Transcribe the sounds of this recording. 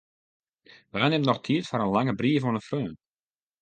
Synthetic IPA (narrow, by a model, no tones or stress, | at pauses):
ʋaːnɪmnɔxtʰiətfaɾənlaŋəbriːəfoənəfrøːn